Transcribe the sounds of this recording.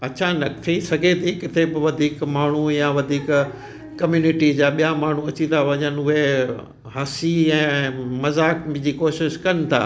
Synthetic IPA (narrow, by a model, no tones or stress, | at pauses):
ɐt͡ɕʰanɐkt̪ʰisɐɡʱet̪ʰiːkɪt̪ʰebɪʋɐd̪ʱiːkmaːɳ̤ujãʋɐd̪ʱiːk | kɐmjuːnɪʈid͡ʑaːɓijamaːɳ̤uɐt͡ɕit̪ʰaʋɐɲənɪ̆ʊɦe | ɦɐsiɛ̃ːmɐzaːkm̃d͡ʑiːkoːʃɪʃkɐnɪ̆t̪ʰa̰ː